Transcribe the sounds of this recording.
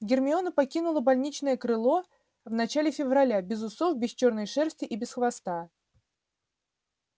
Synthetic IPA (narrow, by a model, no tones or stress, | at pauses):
ɡʲɪrmʲɪo̞nəpɐkʲinʊlˠəbɐlʲnʲit͡ɕnəjəkɾɨlˠo̞ | vnɐt͡ɕalʲɪfʲɪvrɐlʲabʲɪzʊso̞fbʲɪsʲt͡ɕornəjʂɛrsʲtʲɪʔibʲɪsxvɐst̪a